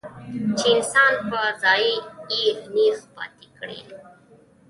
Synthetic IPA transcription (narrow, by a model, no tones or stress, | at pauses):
t͡ʃeɪnsɑnpəzɑjiiɾnixpɑ̰t̪ikɽḛ